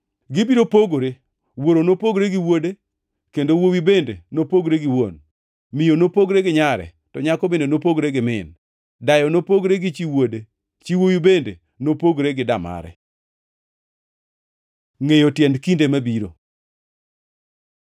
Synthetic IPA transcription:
ɡɪbiɾopoɡoɾe | woɾonopoɡɾeɡɪwode | kendowowibendḛnopoɡɾeɡɪwo̰n | mɪjonopoɡɾeɡɪɲaɾɛ̰ | tɔɲakɔbenonopoɡɾeɡɪmɪn | dajɔnopoɡɾeɡɪt͡ʃiwode | t͡ʃiwowibendḛ | nopoɡɾeɡɪdama̰ɾɛ̰ | ŋejotjɛndkindemabiɾo̰

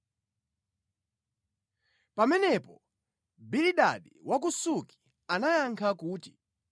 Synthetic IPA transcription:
pamɛnɛpɔ | biliɗaɗiwʔak̬usuki̥ | anajaŋkʰakuːti̥

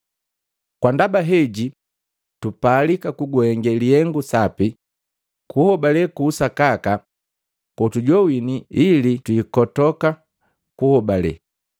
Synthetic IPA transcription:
kwandabaɦɛɟi | tupaːlikakuɡwɛŋɡɛliɛŋɡusapi | kuhɔbalɛkuːsakaka | kɔtuɟɔwiniilitwiːkɔtɔka | kuhɔbalɛ̰

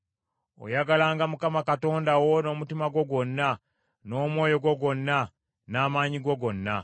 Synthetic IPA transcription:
o̰jaɡalaːŋɡamukamakato̞ːndawo̞no̞ːmutimaɡwo̞ɡwo̞nːa | no̞ːmwo̞ːjo̞ɡwo̞ɡo̞nːa | naːmaːɲiɡwoɡo̞nːa

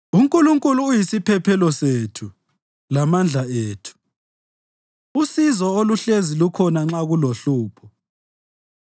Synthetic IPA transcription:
uŋkʼuluŋkʼuluːjisipʰɛpʰɛlɔsetʰu | lamand͡ɮʱaeːtʰu̥ | usizɔoluɬezilukʰɔnaŋ͡ǁaɣuloɬuːpʰɔ

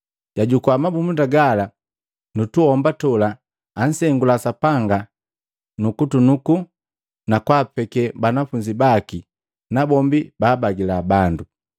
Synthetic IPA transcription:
ɟaɟukwamabumundaɡala | nutuhɔmbatɔlaː | n̩sɛŋɡulasapaŋɡa | nukutunuku | nakwaːpɛkɛbanafuɲd͡ʒibaki | nabɔmbibaːbaɡilabandu

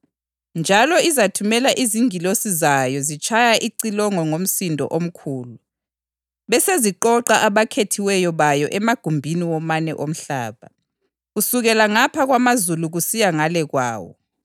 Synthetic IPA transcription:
nd͡ʒʱalɔizatʰumɛlaʔiziŋilosizajɔzit͡ʃʰʼajaʔiǀilɔŋɔŋom̩sindʱɔ̰ʔom̩kʰuːlu | βɛseziǃɔǃaʔaβakʰetʰiwɛjɔβajɔʔɛmaɡ̥ʱumbʱiniwɔmanɛʔom̩ɬa̰ːβa̰ | ɣusuɣɛlaŋapʰaɣwamazuluɣusijaŋalɛɣwa̰ːwɔ̰

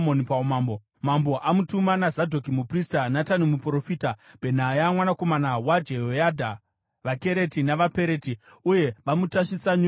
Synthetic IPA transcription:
onipamaːmbo | mambo̞ʔamutumanazadʱo̞kimupristanatanimupuro̞fiːtabʱe̞n̤ajamwanako̞manawad͡ʒeojadʱa | ʋake̞ɾe̞tinaʋape̞ɾe̞ti | uje̞ʋamutaʃisaɲu

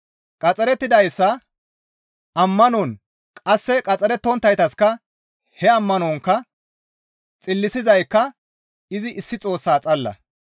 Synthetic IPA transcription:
kʼɐt͡sʼɛɾɛt̪ːɪd̪ɐjsːɐ | ɐmːɐnɔn | kʼɐsːɛkʼɐt͡sʼːɛɾɛt̪ːɔnt̪ːɐjt̪ɐskɐ | hɛɐmːɐnɔŋkːɐ | t͡sʼɪlːɪsɪzɐjkːɐ | ɪzɪʔɪsːɪt͡sʼo̞ːsːaːt͡sʼɐlːɐ̰

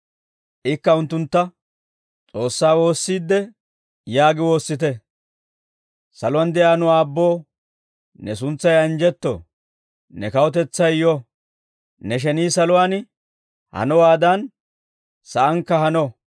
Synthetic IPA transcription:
ʔɪkːɐʊnt̪ːʊnt̪ːɐ | t͡sʼo̞ːsːaːwo̞ːsːiːd̪ːɛ | jaːɡɪwo̞ːsːɪt̪̬ɛ | sɐlʊwand̪ɛjaːnʊaːbːo̞ː | nɛs̬ʊnt͡sːɐjɐnd͡ʒɛt̪ːo̰ | nɛkɐwɔt̪̬ɛt͡sːɐjjɔ | nɛʃ̬ɛniːsɐlʊwaːn | hɐ̰nɔwaːd̪ɐn | sɐʔɐŋkːɐhɐnɔ

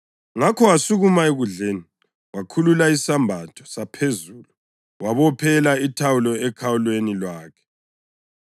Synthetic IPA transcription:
ŋakʰɔasuɣumaeɣuɮeːni | wakʰululaisambʱatʰɔ̥sapʰezulu | waβɔpʰɛlaitʰawulɔɛkʰawulwenilwaːkʰɛ̥

